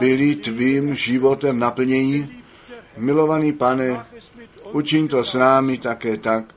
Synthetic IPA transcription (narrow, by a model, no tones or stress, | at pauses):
bɪlit̪viːmʒɪvot̪ɛmnapl̩ɲɛɲiː | mɪlovaniːpanɛ | ʔut͡ʃiɲt̪osnaːmit̪akɛːt̪ak̚